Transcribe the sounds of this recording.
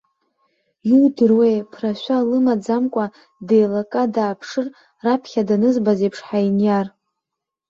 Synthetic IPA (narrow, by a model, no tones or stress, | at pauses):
judɨrwejpʰraʃʷᶣalɨmad͡zamkʷʼa | dejlakʼadaːpʰʂɨr | rapʰχʲadanɨzbazejpʰʂħainjar